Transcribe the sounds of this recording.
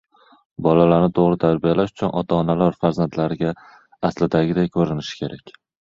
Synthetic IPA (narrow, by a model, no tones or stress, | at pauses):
bɒlalaɾnɪt̪ʰoʁɾɪt̪ʰaɾbijalaʃʊ̥t͡ʃʰʊnʔɒt̪ʰaːnalaɾfaɾzant̪ʰlaɾɪɡʲaː | slɪd̪aɡʲɪd̪ajkʰɵɾɪnɪʃɪ̥kʲʰe̞ɾakʲ